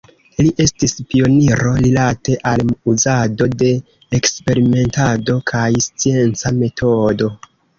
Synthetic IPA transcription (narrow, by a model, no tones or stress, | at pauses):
liʔe̞stispio̞niɾo̞ɾilate̞ʔaluzado̞de̞ː | kspe̞ɾime̞ntado̞kʰajst͡sie̞nt͡same̞tʰo̞do̞